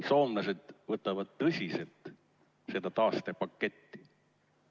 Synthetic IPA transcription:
so̞ːmlɑse̞d̪̥vɤt̪ːˑɑvɑd̪̥̚t̪ɤsʲiselt̪ | se̞d̪̥ɑt̪ɑːst̪e̞pɑkːe̞t̪ːi̥

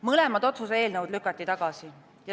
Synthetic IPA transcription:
mɤlɛmɑd̪̥o̞t̪susee̞ːlnəwd̪lykːˑɑt̪ːˑit̪ɑɡ̥ɑsi | jɑ

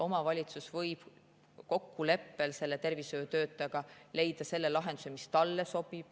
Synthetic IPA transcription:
o̞mɑvɑlʲit̪susvɤjb̥ | ko̞kːule̞pːe̞lse̞lːet̪e̞rvisø̞ːt̪ø̞ːt̪ːˑɑɡ̥ɑle̞jd̪ɑse̞lːelɑɦe̞nd̪̥use̞mist̪ɑlːeso̞b̥ib̥̚

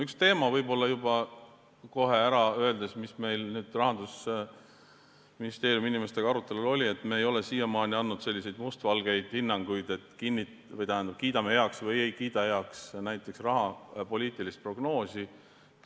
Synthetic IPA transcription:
ykst̪e̞ːmɑvɤjbo̞lːɑjubɑ | ko̞ɦe̞æɾɑø̞e̞ld̪e̞smisme̞jlnyːd̪̥rɑɦɑnd̪us | minist̪e̞ːɾjuminime̞st̪e̞ɡɑɑɾut̪ːˑe̞lulo̞lʲie̞t̪ːˑme̞ːjo̞lesiːjɑmɑːnʲiɑnːud̪̥se̞lʲːise̞jd̪must̪vɑlɡ̥e̞jd̪̥hinːɑŋɡ̥ujd̪̥e̞t̪kinʲːit̪vɤjt̪æhænd̪ɑb̚kiːd̪ɑmehe̞ɑksvɤjejkiːd̪ɑhe̞ɑksnæjt̪ːˑe̞ksrɑɦɑpo̞lʲiːt̪ˑilist̪̚pro̞ɡno̞ːsi

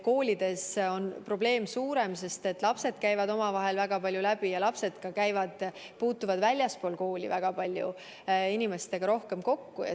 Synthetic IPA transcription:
ko̞ːlʲid̪̥e̞so̞npro̞ble̞ːmsuːɾe̞mse̞st̪e̞t̪ːˑlɑpse̞d̪̥kæjvɑd̪o̞mɑvɑɦe̞lvæɡ̥ɑpɑlʲjulæb̥ijɑlɑpse̞d̪̥kɑkæjvɑd̪̥ | puːt̪ːˑuvɑd̪vælʲjɑspo̞ːlko̞ːlʲḭvæɡ̥ɑpɑlʲjṵ | inime̞st̪e̞ɡ̥ɑɾo̞hke̞mko̞kːujɑ̰

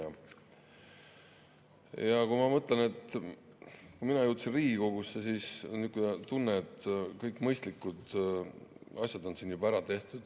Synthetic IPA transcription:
jɑkumɑmɤt̪ˑlɑne̞t̪ˑ | kuminɑjuːt̪sinriːɡikoɡ̥usːesiːsnykːut̪ːunːet̪ːˑkɤjkːˑmɤjst̪likːˑud̪ | ɑsʲjɑd̪o̞nsinːjubæɾɑt̪e̞ht̪ud̪̥

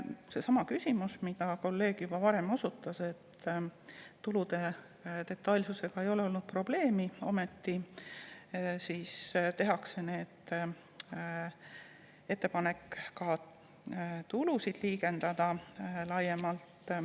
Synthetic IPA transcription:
se̞sɑmɑkysʲimusmid̪̥ɑko̞lːe̞ːɡ̥jub̥ɑvɑɾe̞mo̞sut̪ːˑɑse̞t̪ː | ulud̪̥e̞ | t̪e̞t̪ːˑɑlʲsuse̞ɡ̥ɑe̞jo̞leo̞lnud̪̚pro̞b̥le̞ːmio̞̰me̞t̪ːi | siːst̪e̞ɦɑkse̞ne̞ːd̪̥ | e̞t̪ːˑe̞pɑne̞kkɑ | t̪ulusid̪̥liːɡe̞nd̪̥ɑd̪̥ɑlɑjemɑlt̪

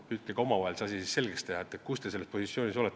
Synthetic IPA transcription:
yt̪ːeɡ̥ɑo̞mɑvɑelsɑsisisse̞lɡ̥est̪ehɑet̪ːˑet̪̚kust̪e̞se̞lːet̪po̞sit̪sjo̞ːniso̞let̪ː

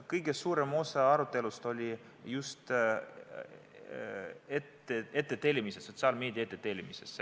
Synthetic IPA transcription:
kɤjɡ̥e̞suːɾe̞mo̞sɑɑɾut̪ːˑe̞lust̪o̞lʲi | just̪ | et̪ːeet̪ˑːe̞t̪e̞lʲːimiseso̞t̪ʲsiɑlmeːd̪iɑet̪ːˑet̪e̞ːlʲimises

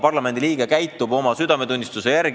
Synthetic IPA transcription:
pɑrlɑme̞nd̪iliːɡ̥ekæjt̪ːˑubo̞mɑsyd̪ɑme̞t̪unʲːist̪use̞jærɡ

